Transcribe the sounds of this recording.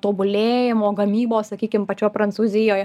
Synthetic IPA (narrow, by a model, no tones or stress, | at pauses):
t̪oːbʊlʲeːjɪmoːɡɐmʲiːboːssɐkʲiːkʲɪmpɐt͡ʃʲoːjpɾɐnt̪suːzʲɪjoːjɛ